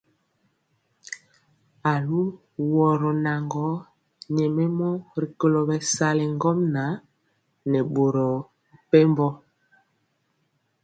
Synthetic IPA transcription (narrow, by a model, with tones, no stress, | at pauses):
a˨lu˦ | wɔ˨ɾɔ˨na˨ŋɡɔ˨˦ | ɲɛ˨mɛ˦mɔ˦ɾi˨ko˨lɔ˨bɛ˨sa˦lɛ˨ŋɡɔ˦mna˨˦ | nɛ˨ɓo˨ɾɔ˨ | pɛ˦mbɔ˦